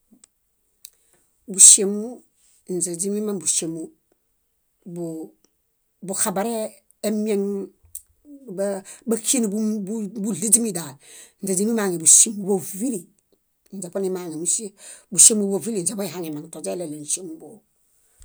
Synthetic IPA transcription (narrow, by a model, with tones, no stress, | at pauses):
bu˨ʃe˨mu˦ | n̩˨d͡ʒe˨d͡ʒi˦mi˦ma˦ŋbu˨ʃe˨mu˦ | bu˨ | bu˨xa˨ba˨ɾeː˦ | mi˦e˦ŋ | ba˦kʰi˦ni˨bu˦bu˦li˦d͡ʒi˦mi˦da˨ln̩˨d͡ʒe˨d͡ʒi˦mi˦ma˨ŋi˨bu˨ʃe˦˨mu˨bo˨vi˦ɾi˨ | n̩˨d͡ʒa˨po˦ni˦ma˨ŋi˨mu˦se˦bu˨ʃe˦mu˦bo˨vi˦li˨n˨d͡ʒe˨po˦i˨ha˦ŋi˨ma˨ŋ˨to˨d͡ʒe˦le˨le˨n̩˨ʃe˦mu˦bo˨